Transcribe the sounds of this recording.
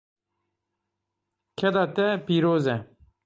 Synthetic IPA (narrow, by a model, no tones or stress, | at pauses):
kʰɛd̪ɑːt̪ɛpiːɾoːzɛ